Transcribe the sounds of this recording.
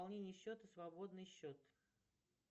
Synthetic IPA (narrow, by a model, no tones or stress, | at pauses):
lˠnʲenʲɪjəɕːo̞t̪əsvɐbo̞d̪nɨjɕːot̪